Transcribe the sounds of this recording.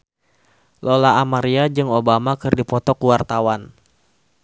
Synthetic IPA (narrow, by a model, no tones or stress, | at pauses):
lolaːmaɾiad͡ʒɨŋobamakɨrdipɔt̪ɔkuwart̪awan